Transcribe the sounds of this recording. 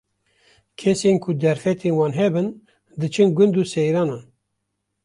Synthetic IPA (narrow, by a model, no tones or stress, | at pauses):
kʰɛsenkʰʊd̪ɛɾfɛt̪ʰeːnwɑːnɦɛbɨn | d̪ɨt͡ʃʰɨnɡʷʊnd̪uːsɛjɾɑːnɑːn